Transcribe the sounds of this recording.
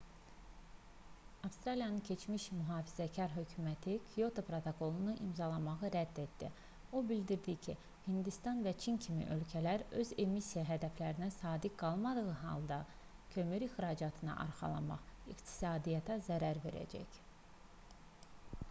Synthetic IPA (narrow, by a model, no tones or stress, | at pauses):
ɑfst̪ɾɑlijɑnɯncʰe̞t͡ʃʰmiʃmyɦɑːfizæcʰɑɾɦø̞cʰymæt̪ʰikʰɾijo̞t̪ʰopɾot̪ʰokʰo̞lˠunuʔimzɑlˠɑmɑʁɯɾæd̪ːe̞d̪d̪i | o̞bild̪iɾd̪icʰi | hind̪ist̪ɑnvæt͡ʃʰincʰimḭʔø̞lcʰælæɾø̞ze̞misijæɦæd̪æflæɾinæsɑːd̪iɡ̥ɑlˠmɑd̪ɯʁɯɦɑ̰lˠd̪ɑ | cʰø̞myɾixɾɑd͡ʒɑt̪ʰɯnɑ̰ʔɑ̰ɾχɑ̰lˠɑ̰mɑ̰χiqt̪ʰi̥sɑːd̪ijɑt̪ʰæzæɾæɾve̞̰ɾæ̰d͡ʒæ̰c